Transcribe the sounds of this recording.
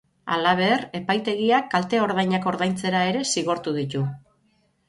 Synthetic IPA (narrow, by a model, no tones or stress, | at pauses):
a̰laβ̞e̞re̞pajt̪e̞ɣ̞iakːalt̪e̞o̞ɾðajɲako̞ɾðajnt͡se̞ɾae̞ɾe̞siɣo̞ɾt̪uðit̪u